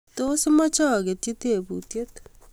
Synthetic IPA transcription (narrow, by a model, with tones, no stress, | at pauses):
t̪o˦se˦mɔ˦t͡ʃɔ˦˨ke˨tje˦t̪e˨putje˦t